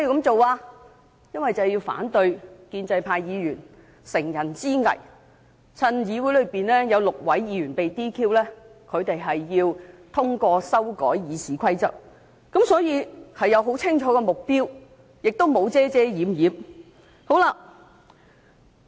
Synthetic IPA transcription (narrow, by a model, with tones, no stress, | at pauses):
ɛ˥jiː˨kɐ˨˥mt͡so˨waː˧ | jɐ˥nwɐ˨jt͡sɐ˨ji˧wfa̰ː˨˥nt̪ɵ˧ɥkiː˧nt͡sɐ˧jpʰaː˧jjiː˨˧jyː˨˩n | sɪ˨˩ŋjɐ˨˩nt͡siː˥ŋɐ̰˨˩j | t͡sʰɐ˧njiː˨˧wu˨˥jlɵ˨˧ɥpiː˨nlɛː˥jɐ˨˧wlʊ˨k̚wɐ˨˥jːiː˨˧˥ɥyː˨˩npe˨jt̪iː˥kʰiː˥wlɛː˥kʰɵ˨˧ɥt̪e˨jɦɐ˨jːiː˧wt̪ʰʊ˥ŋkɔː˧sɐ˥wkɔː˨˥jjiː˨˧sʰiː˨˥kʷʰɐ˥jt͡sɐ̰˥p̚ | kɐ˨˥msɔː˨˥jiː˨˧hɐ˨jɐ˨˧wɦo˨˥wt͡sʰɪ˥ŋt͡ʃʰɔː˨˧˥kɛː˧mʊ˨k̚piː˥w | jɪ˨k̚t̪o˥wmo˨˧wt͡sɛː˥t͡sɛː˥jiː˨˧˥mjiː˨˥m | ho˨˥wlaː˧